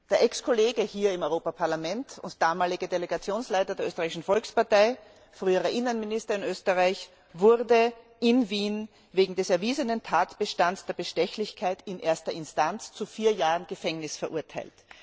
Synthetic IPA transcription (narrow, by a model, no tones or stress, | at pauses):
d̥eːɐʔɛkskʰoleːɡəhiːɐɪmɔʏʁoːpapʰaɐlamɛntʰʊ̰ntd̥aːmaːlɪɡədeleɡat͡sjoːnslaɪtɐdeːɐøːstəʁaɪɪʃn̩fɔlkspaɐtaɪ | fʁyːəʁɐʔɪnənmɪnɪstɐɪnøːstəʁaɪç | vʊʁdə | ʔɪnviːn | veːɡŋ̩dɛsɛɐviːzənəntʰaːtb̥əʃtansd̥eːɐbəʃtɛçlɪçkʰaɪtɪnʔeːɐstɐɪnstant͡st͡sufiːɐjaːʁənɡ̥əfɛŋnɪsfɛɐʔʊɐtʰaɪlt